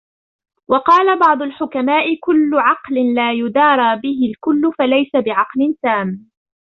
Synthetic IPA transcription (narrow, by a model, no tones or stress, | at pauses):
wɑqɑːlabɑʕd̪ˤʊlħʊkamaːʔɪkʊlːʊʕɑqlɪnlaːjʊd̪ɑːɾˤɑːbɪɦɪlkʊlːʊfalajsabɪʕɑqlɪnsaːm